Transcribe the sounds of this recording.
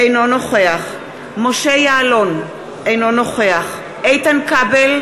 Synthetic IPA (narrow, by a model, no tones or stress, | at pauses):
ejno̞noχeaχ | mo̞ʃejaːlo̞n | ʔejno̞no̞χe̞aχ | ʔejtankabel